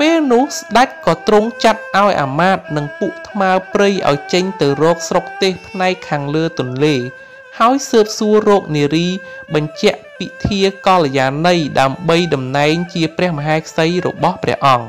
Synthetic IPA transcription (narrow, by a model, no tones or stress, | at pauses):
peːlnʊ̆əhsɗac̚kɑːt̪rʊŋt͡ɕat̪̚ʔaɔjʔa̰ːmaːt̪̚nɨŋpuəʔt̪ʰmaəprɨjʔa̰ɔjt͡ɕəɲt̪ɨwrɔːk̚srok̚t̪eːhpʰnaɛkʰːaːŋləːt̪ʊ̆ənleː | haɔjsəːp̚suərɔːk̚niəɾiːɓɑɲt͡ɕɛ̆əʔpit̪ʰiəkɑlejaːnɨjɗaəmɓəjɗɑmnaɛŋt͡ɕiəprɛ̆əhməɦaɛkʰsəjrɔ̰ɓɑhprɛ̆əhʔɑŋ